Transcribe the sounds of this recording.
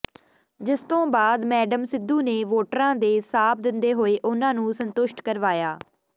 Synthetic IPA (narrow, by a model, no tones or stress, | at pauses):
d͡ʒɪst̪õːbaːd̪mɛːɖəmsɪd̪ːuːneːʋoːʈɾãːd̪eːsaːp̚d̪ɪnd̪eːɦoːeːʔʊnãːnũːsənt̪ʊʃʈkəɾʋaːjaː